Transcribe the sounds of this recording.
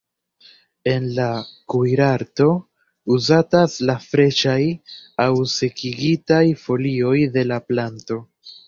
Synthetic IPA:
e̞nlakujɾaɾto̞ | uzataslafɾe̞ʃajawse̞kiɡitajfo̞lio̞jde̞laplanto̞

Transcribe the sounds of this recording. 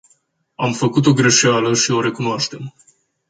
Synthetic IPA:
amfəkut̪̬o̞ɡɾe̞ʃealəʃio̞ɾe̞kunoaʃt̪e̞m

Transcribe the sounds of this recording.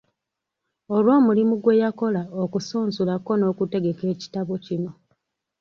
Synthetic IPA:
olwo̞ːmulimuɡwe̞jako̞laokusuːnzulako̞no̞ːkute̞ɡe̞ke̞ːci̥taβocino

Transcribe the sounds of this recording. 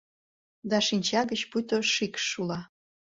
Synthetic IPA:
d̪ɑʃinʲt͡ɕɑɣət͡ɕput̪oʃikʃːulɑ

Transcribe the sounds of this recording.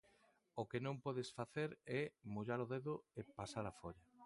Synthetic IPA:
okenõmpɔðesfaθeɾɛmuʎaɾoðeðʊepasaɾafoʎa

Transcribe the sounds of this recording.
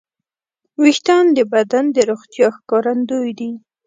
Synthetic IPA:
wixt̪ɑnd̪əbad̪and̪əɾoxt̪jɑxkɑɾand̪ojd̪i

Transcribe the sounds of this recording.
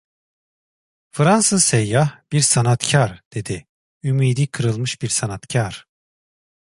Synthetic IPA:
fɾansɯzsejːahb̥iɾsanat̪cʰaɾd̪̥e̞d̪i | ymiːd̪iːkʰɯɾɯlˠmɯʃb̥iɾsanat̪cʰaɾ̥

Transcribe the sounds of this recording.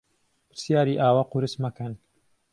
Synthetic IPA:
pɪɾsjaːɾiːʔaːwaːquɾɨsmakɐn

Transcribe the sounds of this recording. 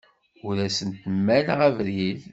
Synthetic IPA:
ʊɾæsənt̪əmːælʁævɾið

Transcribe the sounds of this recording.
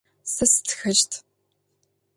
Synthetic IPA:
sɐstʰxɐʒtʰ

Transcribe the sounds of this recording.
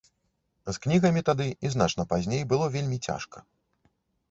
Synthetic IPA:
zknʲiɣɐmʲit̪ad̪ɨiznat͡ʂnɐpazʲnʲejbɨlˠɔvʲelʲmʲit͡sʲa̰ʂkɐ̥

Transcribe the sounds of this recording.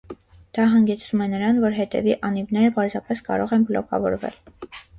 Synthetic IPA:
d̪̥ɑɦɑŋɡɛt͡sʰumɛnəɾɑnvɔɾɦɛt̪ɛ̰viʔɑnivnɛɾəpɑɾzɑpɛskɑ̰ɾɔʁɛnbəlɔkɑ̰vɔ̰ɾvɛ̰l

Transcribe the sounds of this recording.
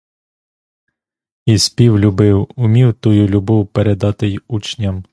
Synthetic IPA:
isʲpʲiwlʲubɪwʊmʲiwt̪ujulʲʊbɔwpeɾed̪ɑt̪ɪjut͡ʃnʲɐm

